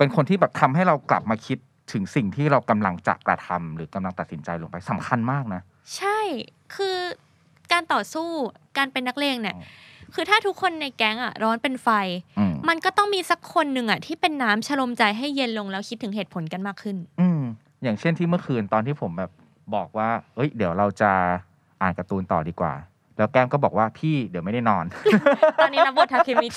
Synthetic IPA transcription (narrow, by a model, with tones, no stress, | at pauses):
pe˧nkʰo˧nt̪ʰiː˥˩bɛː˨˩p̚t̪ʰa˧mɦa˥˩jɾa˧wkla̰˨˩p̚maː˧kʰi˦˥t̪ʰːɯ˩˦ŋsi˨˩ŋt̪ʰiː˥˩ɾa˧wka˧mla˧ŋt͡ɕa̰˨˩kɾa̰˧t̪ʰa̰˧mɾɯː˩˦ka˧mla˧ŋt̪a˨˩t̪si˩˦nt͡ɕa˧jlo̰˧ŋpa˧jsa˨˦mkʰa˧nmaː˥˩k̚na˦˥ | t͡ɕʰa˥˩j | kʰɯː˧ | kaː˧nt̪ɔː˨˩suː˥˩kaː˧npe˧nːa˦˥k̚leː˧ŋni˦˥˩kʰɯː˧t̪ʰaː˥˩t̪ʰu˦˥kʰːo˧nːa˧jkɛ˦˥ŋʔa˨˩ɾɔː˦˥npe˧nfa˧jʔma˧nkɔː˥˩t̪ɔ˥˩ŋmiː˧sa˨˦˥kʰːo˧nːɯ˨˩ŋʔa˨˩t̪ʰiː˥˩pe˧nːaː˦˥mt͡ɕʰa˧lo˧mt͡ɕa˧jɦa˥˩jːe˧nlo˧ŋlɛː˦˥wkʰi˦˥t̪ʰːɯ˩˦ŋɦeː˨˩t̪̚pʰo˩˦nka˧nmaː˥˩kʰːɯ˥˩nʔɯː˧m | jaː˨˩ŋt͡ɕʰe˥˩nt̪ʰiː˥˩mɯ˥ɐxʰɯː˧nt̪ɔː˧nt̪ʰiː˥˩pʰo˩˦mbɛː˨˩p̚ | bɔː˨˩k̚waː˥˩ʔɤ˦˥jdi˨˩˦wɾa˧wt͡ɕa˨˩ | ʔaː˨˩nka˧t̪uː˧nt̪ɔ̰ː˨˩diː˧kwa̰ː˨˩ | lɛː˦˥wkɛː˦˥˩ŋkɔː˥˩bɔː˨˩k̚waː˥˩pʰiː˥˩di˨˦wma˥˩da˥˩jnɔː˧nt̪ɔː˧nːi˦˧˥ɾa˦˥bo˨˩t̪ʰːa˧˩˧kʰeː˧mmi˦˥k̚